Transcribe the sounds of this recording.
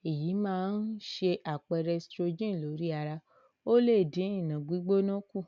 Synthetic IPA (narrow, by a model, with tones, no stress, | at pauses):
e˨ji˨˦mãː˦n̩˦ʃe˧ʔa˨k͡pɛ˧ɾɛ˧stɾo˧d͡ʒĩ˦˨lo˨˦ɾi˦a˧ɾa˧ | o˦le˦˨dĩ˨˦ĩ˦˨nã˨ɡ͡bi˨˦ɡ͡bo˦nã˦ku˦˨